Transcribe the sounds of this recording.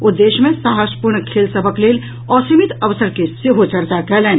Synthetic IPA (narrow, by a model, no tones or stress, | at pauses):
ʊd̪ːeːʃmẽsaːɦəʃpʊɾɳkʰeːlsəbʱəkleːl | ɔːɾsimɪt̪ɐʋəsəɾkeseɦot͡ʃɐɾt̪akɛɦlẽːn